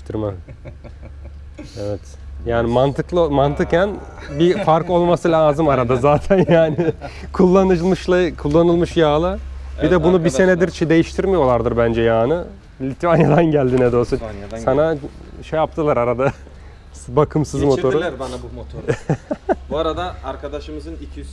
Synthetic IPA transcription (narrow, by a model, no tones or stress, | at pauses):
t̪ʰiɾma | evɛt̪ | jaːnimant̪ʰɯklˠɯmant̪ʰɯkænbifaɾko̞lˠmasɯlaaːzɯmaɾad̪azaːt̪ʰænjaːnɪkʰulˠːanɯlˠmɯʃlˠakʰulˠːanɯlˠmɯʃjaːlˠɯbid̪ɛbunubise̞nɛd̪iɾt͡ʃʰid̪e̞jiʃt̪ʰiɾmijo̞lˠaɾd̪ɯɾbænd͡ʒɛjaːnɯ | lʲit̪ʰvanjad̪anɟælʲd̪inɛd̪o̞ɾsusanaʃejap̚t̪ʰɯlˠaɾaɾad̪a | bakʰɯmsɯzmo̞t̪ʰo̞ɾɾɾbanaot̪ʰo | buaɾad̪aaɾkʰad̪aʃɯmɯzɯnicʰi